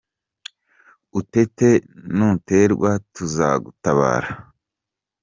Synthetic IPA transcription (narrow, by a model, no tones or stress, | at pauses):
ute̞te̞nute̞ɾɡwatuzaɡutaβa̰ːɾa